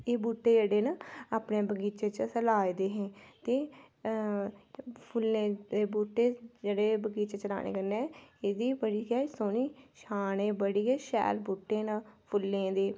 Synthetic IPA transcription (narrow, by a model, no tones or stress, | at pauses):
eːbuːʈːeːd͡ʒəɽeːnaaːpneːbəɡiːt͡ʃeːt͡ʃəsəlaːid̪eːɦɛ̃ːt̪eː | pʰʊlːẽːd̪eːbuːʈːeːd͡ʒəɽeːbəɡiːt͡ʃet͡ʃəla̰ːnḛːkənɛːeːd̪iːbəɽiːɡɛːsoːniːʃʰaːñẽːbəɽiːɡɛːʃɛ̰ːlbuːʈːẽːnapʰʊlːẽːd̪eː